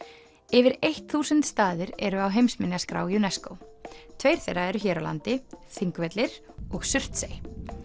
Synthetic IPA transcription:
ɛvɪɾejht̪θuːsʏnt̪st̪aːðɪɾɛ̰ɾʏawɦejmsmɪnjaskɾa̰ːwjunɛskow | t̪ʰveːjɾ̥θejraɛɾʏçɛːɾawla̰nt̪ɪθiŋkvɛt̪lɪɾ̥ | ɔɣsʏr̥t̪sej

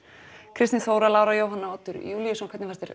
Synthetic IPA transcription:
kʰɾɪst̪ɪnθoːwɾalaːwɾajoːwɦanːaɔt̪ːʏɾ̰juːljasɔnkʰvɛt̪nɪfaɛst̪ɪɾ

